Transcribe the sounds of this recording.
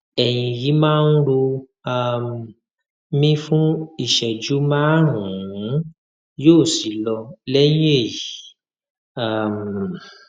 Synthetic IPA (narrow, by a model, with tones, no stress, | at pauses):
ɛ˨j̃ĩ˧ji˨˦mãː˦˧n̩˦ɾo˧ | a˧m | mĩ˧fũ˦i˦˨ʃɛ˨d͡ʒu˨˦mãː˦ɾũ˨˦˨ | joː˦˨si˨˦lɔ˧lɛ˦j̃ĩ˦e˦˨i˨˦˨ | a˦˨m˨